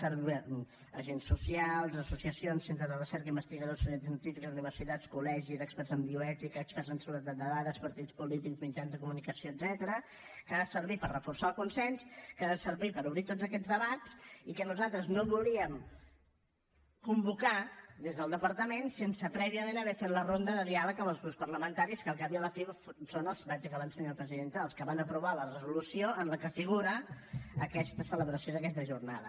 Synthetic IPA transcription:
səɾβi | ə̰ʒensːusialˠzəsusiəsionsent̪ɾəzðərəsɛɾkəimbəst̪iɣəðosuɛnt̪s̬ənt̪ifikəzuniβəɾsit̪at͡skulɛʒizɛkspɛɾzəmbiuɛt̪ikəkspɛɾzənsəɣuɾət̪ad̪əðaðəspəɾt̪it͡spulit̪ikzmid͡ʒanzðəkumunikəsioəd̪zɛt̪əɾə | kaðəsəɾβipəɾrəfursalˠkunsɛnskaðəsəɾβipəɾuβɾit̪od͡zəkɛd͡zðəβat͡sikənuzalˠt̪ɾəznoβuliəm | kumbukad̪ezðəlˠd̪əpəɾt̪əmensensəpɾɛβiəmẽnəβɛfet̪lərond̪əðəðialəkəməlˠzɣɾupspərləmənt̪aɾiskəlˠkapiələfiβfsonəlˠsβad͡ʒəkəβansəɲalˠpɾəziðent̪əːlˠskəβanəpɾuβalərəzulusioənləkəfiɣ̞uɾəəkɛst̪əsələβɾəsioðəkɛst̪əʒurna̰ðə̰

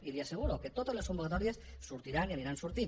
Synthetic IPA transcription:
iliaseɣ̞uɾoket̪ot̪ezleskombukat̪ɔɾies | suɾt̪iɾanianiɾansuɾt̪i

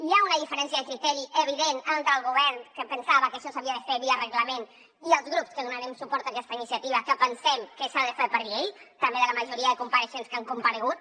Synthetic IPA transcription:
iaunəðifəɾɛns̬jəðəkɾit̪ɛɾiʔəβ̞iðenənt̪ɾəlˠɣuβɛɾnkəpənsaβəkəʃɔsaβiəðəfeβiərəɣləmen | iəlˠzɣɾupskəðunaɾɛmsupɔɾt̪akɛst̪əinisijət̪iβəkəpənsɛmkəsaðəfeɾpəɾʎeʎt̪əmbeðələməʒuɾiəðəkumpəɾəʃenskaŋkumpəɾəɣut̪̚

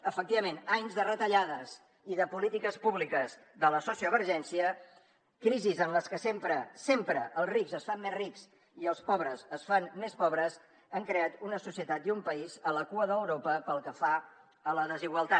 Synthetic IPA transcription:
əfək̚t̪iβəmenaɲzðərət̪əʎaðəz | iðəpulit̪ikəspuβlikəz | ðələsɔsiəβəɾʒɛnsiə | kɾizizənləskəsempɾəsempɾəʔəlˠzrikzəsfamːezrikz | iəlˠspɔβɾəzəsfanmespɔβɾəz | əŋkɾeat̪unəsusiət̪at̪̚iumpəizələkuəðəəwɾopəpəlˠkəfa | ələðəziɣwəlˠt̪a

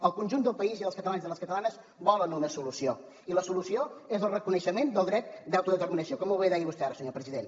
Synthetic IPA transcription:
əlˠkunʲʒund̪əlˠpəiziðəlˠskət̪əlanzðələskət̪əlanəz | bɔlənunəsulusio | iləsulusioezəlˠrəkunəʃəmend̪əlˠd̪ɾɛt̪̚d̪awt̪uðət̪əɾminəsiokɔməwβeðaiβust̪ɛaɾəsəɲopɾəziðen

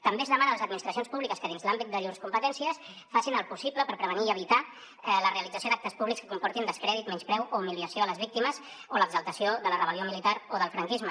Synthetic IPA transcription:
t̪əmbeəzðəmanələzəd̪minist̪ɾəsionspuβlikəskəðinzlambit̪̚d̪əʎuɾskumpət̪ɛnsiəs | fasinəlˠpusipləpəɾpɾəβəniːəβ̞it̪a | ləreəlid͡zəsjod̪ak̚t̪əspuβlikskə̥kumpɔɾt̪ind̪əskɾɛðit̪mɛnspɾɛwʔoumiliəsioələzβ̞ik̚t̪iməz | oləɡzəlˠt̪əsjoðələrəβəliomilit̪aɾoðəlˠfɾəŋkizmə

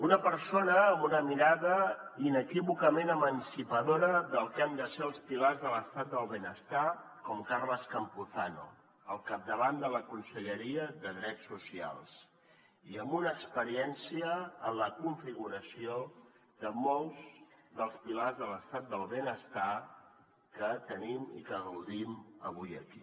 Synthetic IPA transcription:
unəpəɾsonəːmbunəmiɾaðəinəkiβukəmenəmənsipəðoɾəðəlˠkand̪əseəlˠspilazðələst̪at̪̚d̪əlˠβenəst̪a | kɔmkarləskəmpuθanṵ | əlˠkap̚d̪əβand̪ələkunsəʎəɾiəðəðɾɛsːusia̰lˠs | iəmbunəːkspəɾiɛnsiəːnləkuɱfiɣuɾəsio | ðəmɔlˠzðəlˠspilazðələst̪at̪̚d̪əlˠβenəst̪a | kət̪ənimḭkəɣəwðiməβ̞ujəki

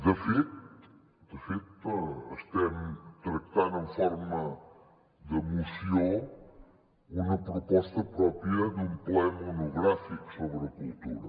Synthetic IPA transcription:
d̪əfit̪ | d̪əfit̪ɐʃt̪emt̪ɾɐk̚t̪anɐ̃fɔɾmɐ | d̪əmusjõ | umɐpɾopɔst̪ɐpɾɔpɾjɐd̪ũmpoɛmɐunuɣɾafiku̥soβɾɐkult̪uɾɐ

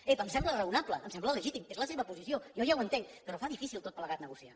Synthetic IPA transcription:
epəmsɛmblərəunapləəːmsɛmblələʒit̪imezləseβəpuzisiojɔʒawənt̪eŋkpəɾɔfaðifisilˠt̪ot̪pləɣat̪nəɣusia

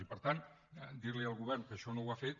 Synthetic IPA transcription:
ipəɾt̪an | d̪iɾliəlˠɣuβɛrnkəːʃɔnowafet̪̚

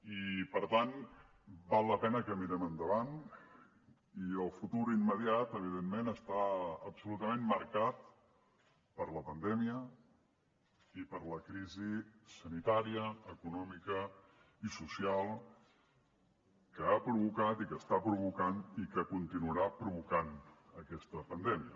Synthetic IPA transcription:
ipəɾt̪an | balˠːəpɛnəkəmiɾɛmənd̪əβan | iəlˠfut̪uɾimːəðiat̪əβ̞iðemmenəst̪aəpsulut̪əmẽmmːəɾkat̪ | pəɾləpənd̪ɛmiə | ipəɾləkɾizisənit̪aɾiəəkunɔmikə | isusialˠ | kəapɾuβukat̪ikəst̪apɾuβ̞ukanikəkunt̪inuəɾapɾuβukanəkɛst̪əpənd̪ɛmiə

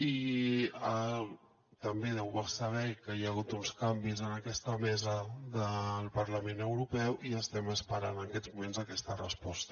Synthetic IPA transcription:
i | ə | t̪əmbeðɛwβasəβ̞ɛkəjəɣ̞ut̪unskambizənəkɛst̪əmɛzəðəlˠpəɾləmenəwɾupɛwʔiəst̪ɛməspəɾanənkɛd͡zmumenzəkɛst̪ərəspɔst̪ə

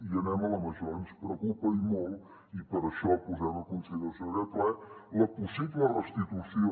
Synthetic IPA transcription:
iɐnɛmɐlˠɐmɐʒɔnuʃpɾɔkupɐimow | ipɐɾɐʃɔpuzɛɾ̃ɐkõnsilɾɐsɐ̃ɾɛt̪ɛlˠɐpusivlɛrɐʃt̪it̪usi

